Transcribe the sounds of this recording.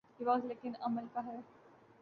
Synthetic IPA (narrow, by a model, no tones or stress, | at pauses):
kiʋɔːzleːkɪnɐməlkaɦɛː